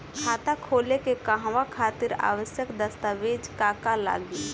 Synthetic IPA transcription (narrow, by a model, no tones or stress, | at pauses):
kʰaːt̪akʰoːlekekãɦʋakʰaːt̪ɪɾa̰ːʋəsjəkd̪əst̪aʋeːd͡ʒkaːkala̰ːɡiː